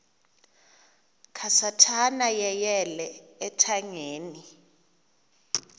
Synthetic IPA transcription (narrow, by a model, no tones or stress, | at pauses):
kʰasatʰanajɛjɛlɛːtʰaŋeːni